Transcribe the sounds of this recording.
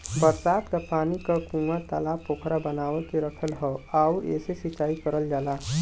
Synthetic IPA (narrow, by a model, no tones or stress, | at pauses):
bəɾsaːt̪kapaːnikakũːɡat̪alaːpoːkʰɾabənaːʋək̪eɾəkʰəlɦɔaːuɛ̰ːsesɪt͡ʃaːikɐɾəld͡ʒaːlaː